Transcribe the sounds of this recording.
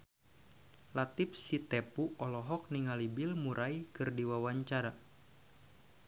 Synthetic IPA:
lat̪ip̚sit̪ɛpuɔlɔɦɔk̚niŋalibɪlmuɾʔaikɨrdiwawaɲt͡ʃaɾa

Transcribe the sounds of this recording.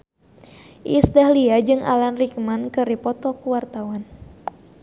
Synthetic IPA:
ʔisdahliad͡ʒɨŋa̰lanrikmankɨripɔt̪ɔkuwart̪awan

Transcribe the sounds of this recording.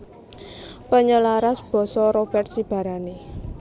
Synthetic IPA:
pəɲəlaɾasb̥ɔ̤sɔɾob̥ɛrt̪̚sib̥a̤ɾane

